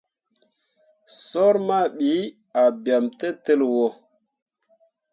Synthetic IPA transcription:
so˦ɾma˦˨ɓi˨˦ | a˨bja˨mte˦te˦lwo˨

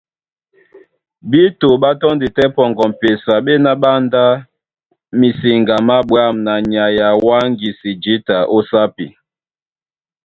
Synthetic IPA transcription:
bi˦to˨ɓa˦tɔ˦ndi˨tɛ˦pɔ˨ŋɡɔ˨m˨pe˨sa˨ɓe˦na˦ɓa˦nda˦ | mi˨si˨ŋɡa˨ma˦ɓwa˦mna˨ɲa˨ja˨wa˦ŋɡi˨si˨d͡ʒi˦ta˨ʔo˦sa˦pḭ˨

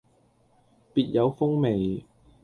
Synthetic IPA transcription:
piː˨˧t̚jɐ˨˧wfʊ˥ŋme˨˩j

